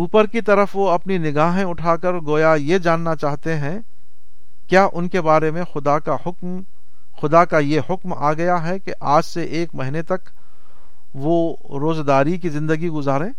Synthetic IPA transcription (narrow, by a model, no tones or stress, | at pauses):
uːpəɾkit̪ɐɾəfʋoɐpninɪɡaːɦẽʊʈʰaːkəɾɡoːjajed͡ʒaːnːat͡ʃaːɦt̪eɦɛ̃ | kjaːʔʊnkebaːɾemẽxʊd̪akahʊkm | xʊd̪akajehʊkmaːɡɐjaɦɛkeʔaːd͡ʒseʔeːkmɐɦɪnet̪ɐk | ʋo | ɾoːzɡaːɾikizɪ̃nd̪əɡiɡʊzaːɾẽː